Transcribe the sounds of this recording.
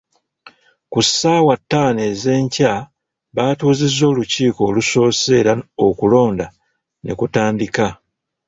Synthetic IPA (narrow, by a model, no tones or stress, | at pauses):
kusaːwatːaːne̞ːze̞ːɲca | βaːtuːzizːo̞ːluciːko̞ːluso̞ːse̞ːɾaokulo̞ːnda | nʔe̞̰kutaːndika